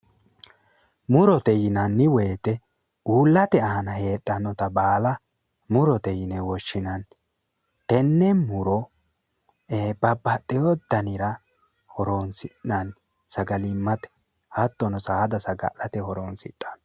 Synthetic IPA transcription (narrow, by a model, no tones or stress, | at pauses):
mʊɾɔt̪ɛjɪnɐnːɪwɛjt̪ɛ | uːlːɐt̪ɛaːnɐhe̞ːɗʼːɐnɔt̪ɐbaːlɐ | mʊɾɔt̪ɛjɪnɛwɔʃːɪnɐn | t̪ɛnːɛmʊɾɔ | eːbɐbːɐt̪ʼːɛjɔd̪̥ɐnɪɾɐ | hɔɾonsɪɐn | sɐɡɐlɪmːɐt̪ɛ̥ | hɐt̪ːɔnɔsaːd̪ɐsɐɡɐ̰ʔɐt̪ɛhɔɾonsɪ̰tʼːɐ̥n